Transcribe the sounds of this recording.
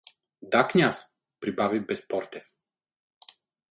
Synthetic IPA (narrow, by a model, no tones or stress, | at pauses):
d̪akɲas | pɾibavibɛspɔɾt̪ɛf